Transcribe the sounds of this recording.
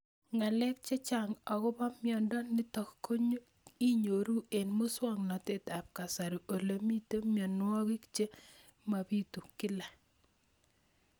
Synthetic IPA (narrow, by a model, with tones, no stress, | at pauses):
ŋa˨lɛ˦k̚t͡ʃe˦t͡ʃa˦˨ŋɔ˨kɔ˦pa˦mjɔ˨ndɔ˦nɪ˦tɔ˨kko˦ɲo˦ | i˦ɲo˨ɾu˦e˨nmo˦swɔ˦ŋnɔ˨te˦˨ta˨p̚ka˨sa˨ɾi˨ʔo˨le˨mi˦te˦mjɔ˨n˦wɔ˦ki˦kt͡ʃe˦ | ma˨bi˦tu˨kɪ˦la˨